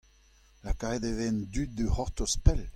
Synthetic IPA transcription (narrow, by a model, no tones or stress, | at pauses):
lakaʁed̪evend̪yt̪̚d̪əhɔʁt̪ospɛl